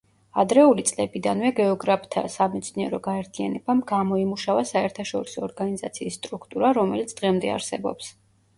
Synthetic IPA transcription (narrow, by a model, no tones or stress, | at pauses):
ad̪ɾɛulit̪sʼlɛbid̪anvɛɡɛɔɡɾapʰt̪ʰa̰samɛt̪sʰniɛɾɔɡaɛɾt̪ʰia̰nɛbamɡamɔimuʃavasaɛɾt̪ʰaʃɔɾisɔːɾɡanizat̪sʰiːsːt̪ʼɾukʰt̪ʼuɾaɾɔmɛlit̪sʰd̪̥ʁɛmd̪ɛa̰ɾsɛbɔ̰ps